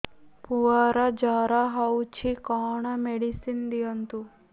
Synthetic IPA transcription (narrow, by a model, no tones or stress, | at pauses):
puʋaɾad͡ʒaːɾaɦawt͡ʃʰikɔɳameɽisind̪ijənt̪u